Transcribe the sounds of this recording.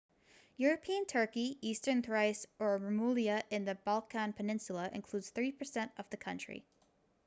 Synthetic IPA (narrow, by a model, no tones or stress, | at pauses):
jʊɹɨpʰiɨ̃ntʰɜ˞kiistə̃˞nθɹaɪsə˞ɹəmulˠiɨʔɨ̃nðɨbɔlˠkʰæ̃npʰɨnɪ̃nsl̩ˠəʔɨ̰̃nkʰl̥udz̥θɹipʰə˞sɛ̃ntʌvðɨkʰʌ̰̃nt͡ʃɹ̥ḭ